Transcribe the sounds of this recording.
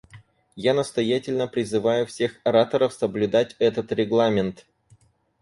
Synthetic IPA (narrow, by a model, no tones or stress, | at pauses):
janəst̪ɐjætʲɪlʲnəpɾʲɪzɨvajʊfsʲe̞xɐɾat̪əɾəfsəblʲʉd̪atʲɛt̪ət̪ɾʲɪɡlˠamʲɪnt̪